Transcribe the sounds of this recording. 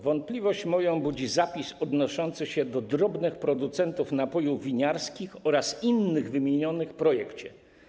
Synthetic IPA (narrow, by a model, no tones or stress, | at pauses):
vɔnt̪̚plʲivɔɕt͡ɕmɔjɔ̃bud͡ʑizapʲisɔd̪nɔʂɔnt̪sɘɕɛd̪ɔd̪ɾɔbnɘxpɾɔd̪ut̪sɛnt̪ufnapɔjuvʲiɲaɾskʲixɔɾasinːɘɣvɘmʲjeɲɔnɘxpɾɔjɛkt͡ɕɛ